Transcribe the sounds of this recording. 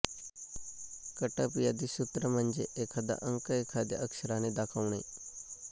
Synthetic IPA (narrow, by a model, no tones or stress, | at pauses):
kəʈapijad̪isut̪ɾəmənd͡ʒeʔekʰad̪a̰ʔəŋkəekʰad̪jə̰ʔəkʂəɾaned̪akʰəʋɳḛ